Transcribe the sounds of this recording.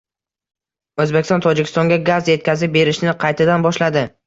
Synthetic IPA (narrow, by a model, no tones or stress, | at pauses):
ɵzbekʲɪ̥sɒnt̪ʰɒd͡ʒɪkʲɪ̥st̪ɒŋɡʲaɡazje̞t̪̚kʲazɪp̚be̞ɾɪʃnɪqʰɑjt̪ʰad̪anbɒʃlad̪ɪ